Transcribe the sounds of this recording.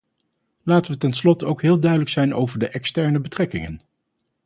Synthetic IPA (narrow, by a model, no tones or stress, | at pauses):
laːtəʋətɛnslɔtowkɦɪːlˠdœɥdələksɛjnowvəɹdəʔɛkstɛɹnəbətrɛkɪŋə̰n